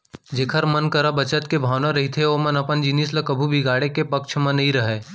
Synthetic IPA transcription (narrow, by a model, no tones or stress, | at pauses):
d͡ʒeːkʰəɾmənkɐɾabɐt͡ʃət̪kebʱaːʋnaɾɐɦit̪ʰeoːmɐnɐpənd͡ʒinisləkɐbʱubʱiɡaːɽekepɐkʃʰmɐ̃nɐɦĩɾɐɦeː